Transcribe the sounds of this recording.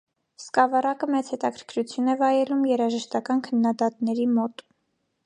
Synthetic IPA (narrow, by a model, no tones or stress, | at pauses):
skɑvɑɾɑkəmɛt͡sʰhɛt̪ɑkʰəɾ̥kʰɾut͡sʰjunɛvɑjɛlumjɛɾɑʒəʃt̪ɑkɑnkʰənːɑd̪ɑt̪nɛɾimɔt̪